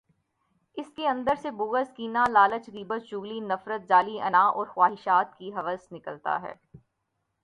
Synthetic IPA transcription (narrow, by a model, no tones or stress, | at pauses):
ɪskeɐ̃nd̪əɾsebʊːɣəskiːnalaːlət͡ʃɣiːbət̪d͡ʒuːɣlinɐfɾət̪̚d͡ʒaːliɐ̰naːʔɔːɾxwaːɦɪʃaːt̪kiɦɐʋəznɪkəlt̪a̰ɦɛ̰ː